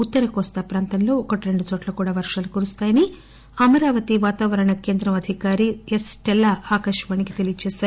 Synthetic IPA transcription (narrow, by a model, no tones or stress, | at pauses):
ut̪ːɐɾɐkɔːst̪aːpɾaːnt̪ɐnlo̞ːɔkɐʈiɾe̞ɳɖut͡ʃoːʈlɐkuːɽaːʋɐɾʂaːlukuɾust̪aːjɐni | ɐmɐɾaːʋɐt̪iʋaːt̪aːʋɐɾɐɳɐke̞ːnd̪ɾɐmɐd̪ʱikaːɾiesʈelːaːʔaːkɐʂɐʋaːnikit̪e̞lijɐt͡ʃɛːʃaːɾu